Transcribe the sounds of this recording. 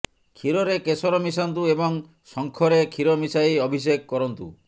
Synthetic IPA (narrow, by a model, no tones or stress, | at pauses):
kʰiɾɔɾekesɔɾɔmisɔnt̪uebɔŋ | sɔŋkʰɔɾekʰiɾɔmisaiɔbʱis̬ekkɔɾɔnt̪u